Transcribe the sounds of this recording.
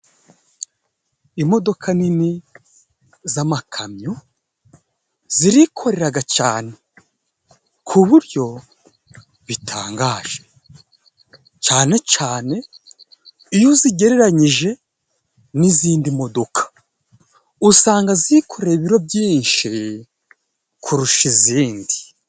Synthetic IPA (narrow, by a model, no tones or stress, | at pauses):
imo̞do̞kʰanini | zamakʰamɲo | z̥iɾikʰo̞ɾe̞ɾaɡat͡ʃaːne̞ | kʰuβuɾɟo̞ | βitʰa̰ːŋɡaːʒ̥e̞̥ | t͡ʃaːne̞t͡ʃaːne̞ | ijoziɡe̞ɾe̞ɾaɲiʒe̞ | niziːndimo̞do̞kʰḁ | usaːŋɡaziikʰo̞ɾeɾiβiɾo̞bjiːnʃi | kʰuɾuʃiziːndi